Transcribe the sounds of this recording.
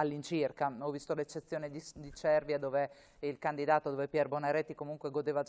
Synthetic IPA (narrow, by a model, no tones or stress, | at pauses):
alːint͡ʃirkaɔvːist̪olet͡ʃːet̪sːjoːned̪id̪it͡ʃɛrvjad̪oːve | ilkand̪id̪aːt̪od̪oːvepjɛrbonaɾɛt̪ːikomuŋkweɡod̪eːvad͡ʒ